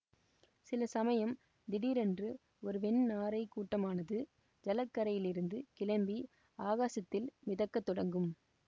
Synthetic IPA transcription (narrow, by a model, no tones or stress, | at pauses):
sɪlɐsɐmɐjɐm | d̪ɪɽiːɾɛndrɯ | ɔɾɯpɛɳnaːɾɐɪkːuːʈːɐmaːnɐðɯ | d͡ʒɐlɐkːɐɾɐjɪlɪɾɯnd̪ɯkɪɭɐmbi | aːɣaːsɐt̪ːɪlmɪðɐkːɐt̪ːɔɽɐŋɡɯm